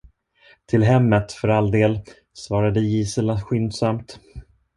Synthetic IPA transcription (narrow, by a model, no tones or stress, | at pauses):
t̪ʰɪlɦɛmːət̪fœɾald̪eːl | svɑːɾad̪əjiːsəlaɧʏnd̪samt̪